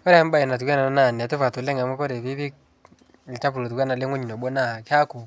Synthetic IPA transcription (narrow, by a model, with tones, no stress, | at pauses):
kɔ˦ɾɛ˦a˦m˦ba˦ɛ˨na˨t̬u˨ka˦na˨na˦na˦˨n˨tu˦fa˨tu˨lɛ˦ŋa˨mɔ˦kɔ˦ɾɛ˨βi˦βi˦k | lt͡ʃa˦pu˨lo˨t̬u˨kwa˦na˨le˦ŋwɔ˦ɲi˨nɔ˨ɓɔ˦na˦˨ka˦ku˨